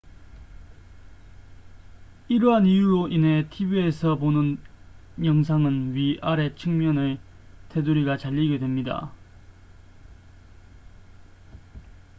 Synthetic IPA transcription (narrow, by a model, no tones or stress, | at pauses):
iɾʌɦanijuɾoʔine̞tʰibie̞sʰʌponɯn | jʌŋsʰaŋɯnɥiʔaɾe̞t͡ɕʰɯŋmjʌnɯɭ | tʰe̞duɾiɡat͡ɕaʎːiɡe̞dwe̞mɲida̰